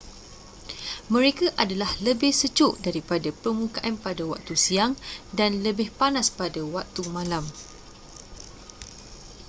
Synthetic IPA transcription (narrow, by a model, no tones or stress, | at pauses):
mə̃ɾekaʔadalahləbɪhsət͡ʃʊʔdaɾipadapərmũkaʔanpadawa̰k̚t̪usiaŋdanləbɪhpanaspadawak̚t̪umãlam